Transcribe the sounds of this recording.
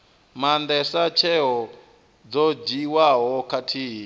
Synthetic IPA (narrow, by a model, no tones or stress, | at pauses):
mandɛsat͡ʃʰɛɦɔ | d͡zɔd͡ʒiwaɦɔkatʰiɦi